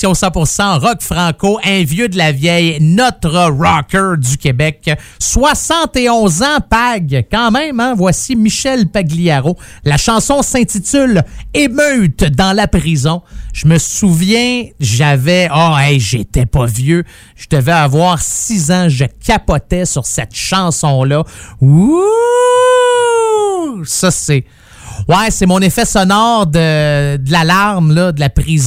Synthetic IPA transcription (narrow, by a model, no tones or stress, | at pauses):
ɔ̃sɑ̃pʊʁsɑ̃ʁɔkfʁɑ̃koʔɛ̃vjød̪əlavjɛjnɔt̪ʁəʁɑkʰʲə˞d͡z̪ykʲebɛkswasɑ̃t̪eɔ̃zãpaɡkɑ̃mɛ̃mɛ̃vwasimiʃɛlpaɡliaʁolaʃɑ̃sɔ̃sɛ̃t̪it̪ʏlemœt̪d̪ɑ̃lapʁizɔ̃ʒ̥əməsuvjɛ̃ʒavɛɔɛjʒet̪ɛpʌvjø | ʒ̥əd̪əvɛavwaːʁsizãʒəkʰʲapɔt̪ɛsyʁsɛt̪ʃɑ̃sɔ̃lʌu | sʌse | wɛsemɔ̃nefɛsɔnɔːʁd̪əd̪əlalaʁmlʌd̪əlapʁiz